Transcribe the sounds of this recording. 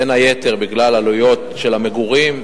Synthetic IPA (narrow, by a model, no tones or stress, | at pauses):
enajet̪eʁbiɡlalalujo̞t̪ʃe̞lameɡuʁim